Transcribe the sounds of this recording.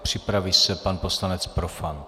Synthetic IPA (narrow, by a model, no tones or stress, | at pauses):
pr̝̥ɪpɾavisɛpanposlanɛt͡spɾofan